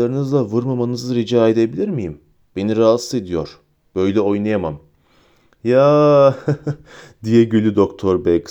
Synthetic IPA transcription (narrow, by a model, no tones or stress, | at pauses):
aɾɯnɯzlˠavɯɾmamanɯzɯɾid͡ʒaːe̞d̪e̞bilʲiɾmijim | b̥eniɾaːsed̪ijo̞ɾ̥ | b̥ø̞jlʲɛo̞jnajamam | ja | d̪ijɛɟylʲyd̪o̞kt̪ʰo̞ɾbɛk